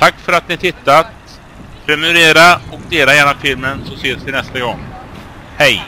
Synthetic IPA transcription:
t̪ʰakːfœɾat̪̚nɪhat̪ʰɪt̪ːat̪ | pʰɾɛmɵɾeːɾaɔkd̪eːlajɛːnafɪlmənsɔseːsd̪ɪnɛst̪aɡɔŋ | hɛj

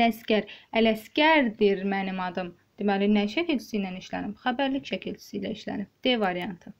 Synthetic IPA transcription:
æscæɾælæscæɾd̪iɾmænimɑd̪ɯm | d̪̥imælinæʃæcʰilt͡ʃʰi̥sijnæniʃlæ̰nimχæbæɾlicʲʃʰæcʰilt͡ʃʰi̥sijlæiʃlæ̰nibd̪̥evɑɾijɑnt̪ʰɯ

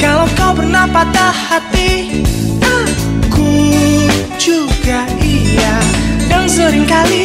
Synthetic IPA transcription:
kalawkawbərnapat̪alhat̪i | aku | d͡ʒuɡaʔijadaŋzoɾɪŋkali

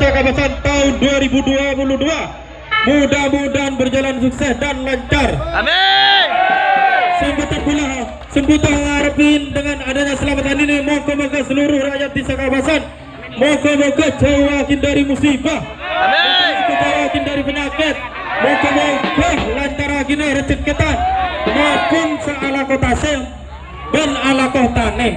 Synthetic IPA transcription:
sakabasant̪aʊnduaɾibuduapuludua | mudamudanbərd͡ʒalansuksɛsdanlaɲt͡ʃar | səimbut̪arpulaɦ | səmbut̪ahŋaɾpɪndəŋanadaɲasəlamat̪aninimokomokəsəluɾʊhrajat̪̚bisakabasan | mɔɡɔmoɡɔhd͡ʒowakɪndaɾimusibah | mɔkɔasəmkut̪ɔwakɪndaɾipəɲakɪt̪̚ | mɔɡɔmoɡɔhlant̪aɾakineɾət͡ʃət̪̚kət̪anmɔkʊnsaalakɔt̪asɛŋ | bənalakɔht̪anɛ

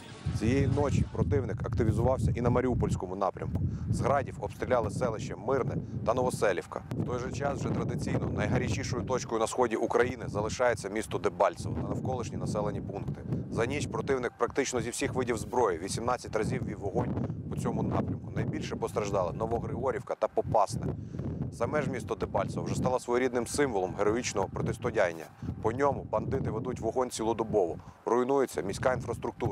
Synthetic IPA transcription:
t͡sʲijejinɔt͡ʃipɾɔt̪ɪwnɪkɐkt̪ɪʋʲizʊʋɑwsʲɐʔinɐmɐɾʲiupɔlʲsʲkɔmʊnɑpɾʲʔɐ̰mkʊ̥zɦɾɑdʲiwɔpst̪ɾʲilʲɑlˠɪsɛlˠɪʃt͡ʃɛmɪrnɛt̪ɐnɔʋɔsɛlʲiwkɐ̰wt̪ɔjʒɛt͡ʃɑswʒɛt̪ɾɐd̪ɪt͡sʲijnɔnɐjɦɐɾʲit͡ʃiʃɔjʊt̪ɔt͡ʃkɔjʊnɐsxɔdʲiʔukɾɐjinɪzɐlˠɪʃɑjet͡sʲːɐmʲist̪ɔd̪ebɑlʲsɔʋɔ̰t̪ɐnɐwkɔlˠɪʃnʲinɐsɛlˠenʲipunkt̪ɪzɐnʲiʃpɾɔt̪ɪwnɪk̚pɾɐkt̪ɪt͡ʃnɔzʲiwsʲixʋɪdʲiwzbɾɔjɪʋʲisʲimnɑt͡sʲːɐtʲrɐzʲiwʋʲiʋɔɦɔnʲpɔt͡sʲɔmʊnɑ̰pɾʲɐmkʊnɐjbʲilʲʃɛpɔst̪ɾɐʒd̪ɑlˠɪnɔʋɔɦɾɪɦɔɾʲiwkɐt̪ɐpɔpɑsnɛ̰sɐmɛʒmʲist̪ɔd̪ebɑlʲtsʋɐwʒɛst̪ɑlˠɐsʋɔjɔɾʲid̪nɪmsɪmʋɔlˠɔmɦeɾɔit͡ʃnɔɦɔpɾɔt̪ɪst̪ɔdʲajnʲːɐ̰pɔnʲɔmʊbɐnd̪ɪt̪ɪʋed̪utʲʋɔɦɔnʲt͡sʲilˠɔd̪ɔbɔʋɔrʊinujet͡sʲːɐmʲisʲkɑinfɾɐst̪ɾʊk̚t̪uɐ

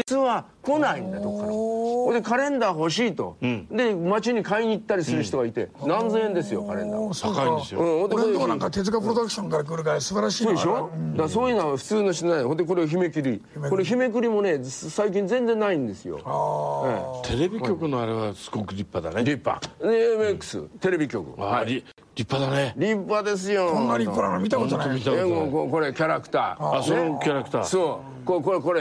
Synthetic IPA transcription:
d͡ʑit͡sɨβako̞naĩnd̪at̪okːahond̪ekaɾẽ̞nd̪aɦo̞ɕ̬iːt̪o̞̰d̪e̞mat͡ɕiɲ̟ikaiɲ̟iːt̪ːaɾʲisɨɾɯi̥t̪o̞ɡait̪e̞̰nãnzɨẽnd̪e̞sɨjo̞kaɾẽ̞nd̪a̰aĩd̪esɯ̃ːhond̪ekoeãŋkat̪e̞t͡s̬ɨɡapɯ̟ɾod̪akɯ̥ɕõ̞ŋkaɾakɯɾɯ̟ɡasɨbaɾaɕisod̪eɕod̪asoːjɯnaɸɯ̟̥t͡sɨːnoɕ̬i̥t̪onaɦond̪eko̞ɾeaçime̞kɯɾʲi | ko̞ɾeçime̞kɯɾʲimo̞ne̞saik̬ʲĩnzẽnd͡zẽ̞nːaĩnd̪e̞sɨjo̰ẽt̪ʰe̞ɾebʲikʲo̞kɯ̟noaɾeβasɨ̥ɡokɯ̟ɾʲipːad̪a̰neɾʲipːa̰d̪eemekːɯ̥sɨ̰t̪e̞ɾe̞bʲikʲo̞kɯ̟̰ahaɾʲi | ɾʲipːad̪aneɾʲipːad̪e̞s̬ɨjoõnːaɾʲipːad̪anamʲit̪ak̪mit̪aeŋɡokoko̞ɾe̞kʲaɾakɯ̥t̪a̰ːasoenkʲaɾakɯ̥t̪a̰ːsoː | kokoeko̞ɾe

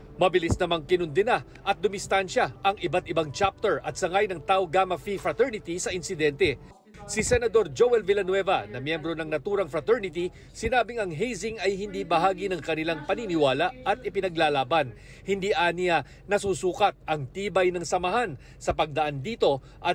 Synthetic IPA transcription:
mɐbɪlisnɐmaŋkɪnʊnd̪ɪna | ʔɐt̪̚d̪ʊmɪst̪anʃaʔɐŋʔɪbat̪̚ɪbaŋt͡ʃap̚t̪ɛɹʔɐ̰t̪̚sɐŋajnɐŋt̪awɡaːmɐfifɾɐt̪ɛɹnɪt̪isɐʔɪnsɪd̪ɛnt̪ɛ | sɪsɛnɐd̪o̞ɾd͡ʒowɛlvɪlɐnwɛvɐnɐmjɛmbɾo̞nɐŋnɐt̪uːɾɐŋfɾɐt̪ɛɹnɪt̪i | sɪnaːbɪŋɐŋɦejsɪŋɐjɦɪnd̪iːbɐɦaːɡinɐŋkɐnɪlaŋpɐninɪwaːlaʔʔɐt̪̚ʔɪpɪnɐɡlaːlaːbɐn | hɪnd̪iːʔaːniɐ | nɐsuːsuːkɐt̪̚ɐŋt̪iːbɐjnɐŋsɐmɐɦan | sɐpɐɡ̚d̪ɐʔand̪iːt̪o̞ | ʔɐ

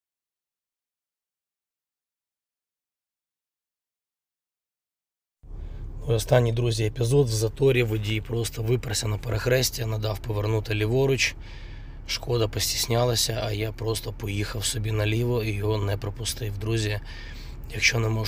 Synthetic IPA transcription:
mɔjɔst̪ɑnʲːijd̪ɾuzʲiepʲɪzɔd̪wzɐt̪ɔɾʲiʋʊdʲijpɾɔst̪ɔʋɪpɾɐsʲɐnɐpɐɾɐxɾɛsʲtʲijɐnɐd̪ɑwpɔʋernut̪ɪlʲiʋɔɾʊt͡ʃ | ʃkɔd̪ɐpɔsʲtʲi̥sʲnʲalˠɐsʲɐɐjapɾɔst̪ɔpɔjixɐwsɔbʲinɐlʲiʋɔijɔɦɔnɛpɾɔpʊst̪ɪwd̪ɾuzʲɐ | jɐkʃt͡ʃɔnɛmɔ

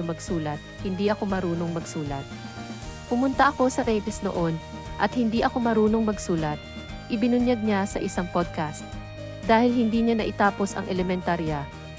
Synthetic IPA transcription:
omɐɡsuːlɐt̪̚hɪnd̪iʔɐko̞mɐɾuːno̞ŋmɐɡsuːlɐ̰t̪̚pʊmʊnt̪ɐʔɐko̞sɐɾɛjt̪ɛsno̰ʔo̞n | ʔɐt̪hɪnd̪iʔɐko̞mɐɾuːno̞ŋmɐɡsuːlɐt̪̚ | ʔɪbɪnʊnjɐd̪̚ɲasɐ̰ʔɪsaŋpod̪̚kast̪̚ | d̪aːhɪlhɪnd̪iːɲanɐʔɪt̪aːpo̞sɐ̰ŋʔɛlɛmɛnt̪aɾja

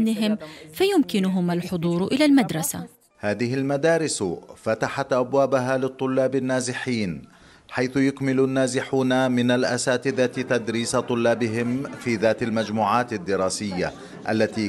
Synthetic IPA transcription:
nɪɦɪmfajʊmkɪnʊɦʊmalħʊd̪ˤuːɾʔɪlalmad̪ɾˤɑsa̰ | haːðɪɦɪlmad̪aːɾɪsfat̪aħat̪ʔabwaːbaɦaːlɪt̪ˤːʊlːaːbanːaːzɪħiːn | ħajθʊjʊkmɪlʊnːaːzɪħuːnamɪnalʔasaːt̪ɪd̪at̪t̪ad̪ɾiːsat̪ˤʊlːaːbɪɦɪmfiːðaːt̪almad͡ʒmuːʕaːt̪ad̪ːɪɾɑːsɪjːa̰ | ʔa̰lːat̪iː

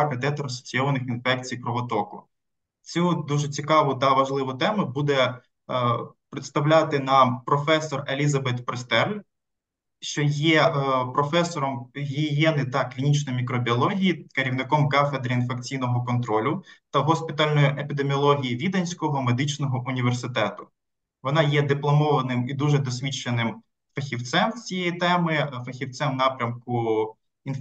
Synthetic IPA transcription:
kɐt̪ɛt̪ɐɾɔsɔ̥t͡sʲiɔʋɐnɪxinfɛk̚t͡sʲijpɾɔʋɔt̪ɔkʊ̰ | t͡sʲud̪uʒɛt͡sʲikɑʋʊt̪ɐʋɐʒlˠɪʋʊt̪ɛmʊbud̪ɛ | pɾɪt̪st̪ɐwlʲat̪ɪnɐpɾɔfɛsːɔrelʲizɐbɛt̪pɾest̪ɛrlʲ | ʃt͡ʃɔjɛpɾɔfɛsɔɾɔmɦʲijɛnɪt̪ɐklʲinʲit͡ʃnɔjmʲikɾɔbʲiɔlˠɔɦʲijikeɾʲiwnɪkɔmkafed̪ɾɐinfekt͡sʲijnɔɦɔkɔnt̪ɾɔlʲʊt̪ɐɦɔsʲpʲɪt̪ɑlʲnɔjiʔepʲid̪emʲiɔlˠɔɦʲijiʋʲid̪ɐnʲsʲkɔɦɔmed̪ɪt͡ʃnɔɦɔʔʊnʲiʋersɪt̪ɛt̪ʊ | ʋɔnɑjɛd̪ɪplˠɔmɔʋɐnɪmid̪uʒɛd̪ɔsʲʋʲit͡ʃːenɪm | fɐxʲiwt̪sɛmt͡sʲijɛjit̪ɛmɪfɐxʲiwt̪sɛmnɑpɾʲɐmkʊ | in

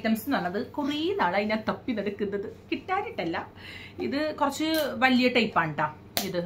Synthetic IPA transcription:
t̪ːɐmɐsɨnɐnːɐðɨkurijinaːɭɐinaːt̪ɐpːinɐɽukːunːɐðɨkiʈːaːɾiʈːɐlːɐiðɨkurɐt͡ɕːɨʋɐljɐʈːɐjipːaːɳʈːaː | iðɨ

